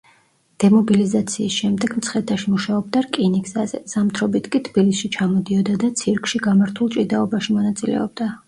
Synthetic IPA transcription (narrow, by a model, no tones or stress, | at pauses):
d̪̥ɛmɔbilizat̪sʰiːsʃɛmd̪ɛɡ̥mt̪sʰχɛt̪ʰaʃimuʃaɔb̚d̪aɾkʼiniksazɛ̰z̥amt̪ʰɾɔbit̪ʰkʼit̪ʰb̥ilisʃit͡ʃʰamɔd̪iɔd̪ad̪at̪sʰiɾkʰʼʃiɡamaɾt̪ʰulˠt͡ʃʼid̪aɔbaʃimɔnat̪sʼilɛ̰ɔb̚d̪a